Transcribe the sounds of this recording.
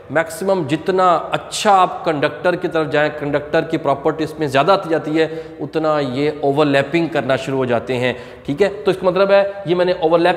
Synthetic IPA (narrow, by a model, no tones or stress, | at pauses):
mɛːksɪməmd͡ʒɪt̪naɐtːʃʰaːp̚kɐ̃ɳɖək̚ʈəɾkit̪ɐɾəfd͡ʒaːɦẽkɐ̃ɳɖək̚ʈəɾkipɾɔːpəɾʈiɪsmẽzjaːd̪at̪id͡ʒaːt̪iɦɛʊt̪najeoːʋəɾlɛːpɪ̃ŋɡkɐɾnaʃʊɾuɦod͡ʒaːt̪eɦɛ̃ː | ʈʰiːkɦɛːt̪oɪskamɐt̪ləbɦɛjemɛːneʔoːʋəɾlɛː